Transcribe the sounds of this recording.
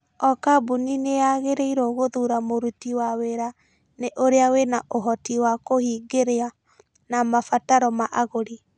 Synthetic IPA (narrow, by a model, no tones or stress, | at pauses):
ɔkabuninejaɣeɾeiɾɔɣoðuɾamoɾutiwaweɾa | neʔoɾeawenaʔoɦɔtiwakohiɡeɾea | namafataɾɔmaʔaɣoɾi